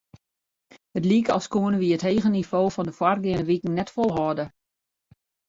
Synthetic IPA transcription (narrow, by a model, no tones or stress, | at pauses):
hətlikəɔ̰lˠskuənəʋiətheːɣənifoːfɔndəfwarɡɪənəʋikŋ̩nɛtfolˠɦɔdə